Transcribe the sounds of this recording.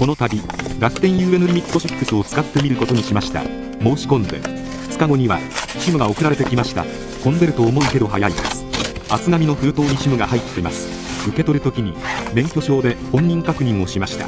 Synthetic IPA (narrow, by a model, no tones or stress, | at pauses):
ko̞no̞t̪abʲiɾakɯ̟̥t̪ẽ̞ɰ̃jɯːe̞noɾʲimʲit̪ːo̞ɕikkːɯ̟sɨot͡sɨ̥kat̪ːe̞mʲiɾɯ̟ko̞t̪o̞ɲ̟iɕimaɕi̥t̪a̰ | mo̞ːɕi̥kõ̞nd̪e̞̰̥ | t͡sɨ̥kaɡo̞ɲ̟iβa̰ɕimɯ̟ɡao̞kɯ̟ɾaɾe̞t̪e̞kʲimaɕi̥t̪a̰ | kõ̞nd̪e̞ɾɯ̟t̪oːmo̞ike̞d̪o̞ɦajaid̪asɨ̥ | at͡sɨɡamʲino̞ɸɯ̟ɾɯ̟t̪o̞ːɲ̟iɕimɯ̟ɡahait̪ːe̞masɨ̥ | ɯ̟ke̞t̪o̞ɾɯ̟t̪o̞kʲiɲ̟imẽ̞ŋkʲo̞ɕo̞ːd̪e̞kõ̞ɲ̟ːĩŋkakɯ̟ɲ̟ĩɰ̃oɕimaɕi̥t̪a̰